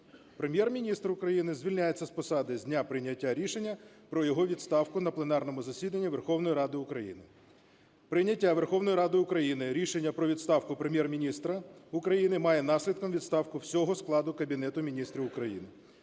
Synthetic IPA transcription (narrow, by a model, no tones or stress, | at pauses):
pɾemʲjɛrmʲinʲist̪rʊkɾɐjinɪzʲʋʲilʲnʲajet͡sʲːɐspɔsɑd̪ɪzʲdʲnʲapɾɪjnʲːɐtʲːaɾʲiʃenʲːɐ | pɾɔjɔɦɔʋʲit̪st̪ɑwkʊnɐplˠenɑrnɔmʊzɐsʲid̪ɐnʲːiʋerxɔwnɔjiɾɑd̪ɪʊkɾɐjḭnɪ | pɾɪjnʲɐtʲːaʋerxɔwnɔjɾɑd̪ɪʊkɾɐjinɪɾʲiʃenʲːɐpɾɔʋʲid̪st̪ɑwkʊpɾemʲjɛrmʲinʲist̪ɾɐʊkɾɐjinɪmɑjɛn̪ɑsʲlʲid̪kɔmʋʲid̪st̪ɑwkʊwsʲɔɦɔsklˠɑd̪ʊkɐbʲinɛt̪ʊmʲinʲist̪ɾʲiʊkɾɐjḭnɪ